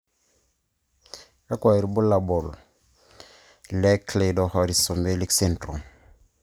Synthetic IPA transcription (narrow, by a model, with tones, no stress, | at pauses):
ka˦kɔ˨i˨ɾbu˦la˨bɔ˨l | lɛ˦kle˨dɔ˨hɔ˨ɾi˨sɔ˨mbe˦li˦kse˨ntɾo˨m